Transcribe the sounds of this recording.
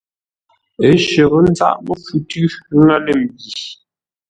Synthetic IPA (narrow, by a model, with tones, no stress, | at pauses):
e˨˦ʃə˨ɣə˦n˦d͡za̰˦˨ʔmə˦fʉ˨tʉ˦ŋa˦le˦˨m̩˨bi˨